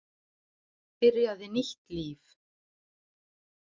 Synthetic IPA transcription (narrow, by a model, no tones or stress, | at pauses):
pɪɾjaðɪniht̪liːf